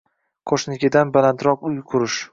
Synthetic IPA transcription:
qʰoʃnɪkʲɪd̪anbalant̪ɾɒqʊjqʰʊɾɪʃ

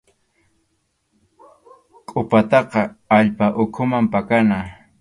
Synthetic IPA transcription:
kʼʊpat̪ɑqɑaʎpaʔʊkʰʊmampakana

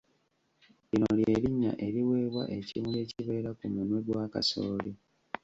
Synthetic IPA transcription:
inolje̞ːɾiɲːa̰ʔe̞ɾiweːβwa̰ʔe̞cḭmule̞ːciβe̞ːɾakumunweɡwaːka̰so̰ːli

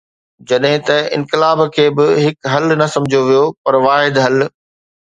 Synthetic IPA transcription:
d͡ʑɐɗɦɪ̃t̪ɐɪ̰̃nkɪlaːbkʰeːbɪɦɪkɦɐlnɐsɐ̃md͡ʑʱoʋijopɐɾʋaːɦɪd̪ɦɐl

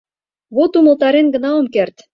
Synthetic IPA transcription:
βot̪umɤ̆lt̪ɑɾenɡɤ̆nɑŏmkert̪

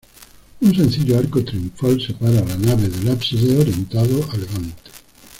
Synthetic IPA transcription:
unsẽ̞nθiʎoaɾkot̪ɾiuɱfalsepaɾaːlanaβeðelapsiðeoɾjent̪aðoalɣant̪e̥

